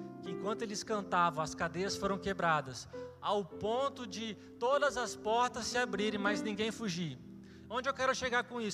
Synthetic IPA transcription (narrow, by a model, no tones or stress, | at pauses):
kɪẽŋkwɐ̃nt̪ʊelɪskɐ̃nt̪avɐ̃w̃ɐskad̪ejɐsfoɾɐ̃w̃kebɾad̪ɐsawpõnt̪ʊd͡ʒɪ | t̪od̪ɐzɐspɔɾt̪ɐsːɪabɾiɾẽj̃majznĩɡẽj̃fuʒi | õnd͡ʒɪewkɛɾʊʃeɡaɾkõis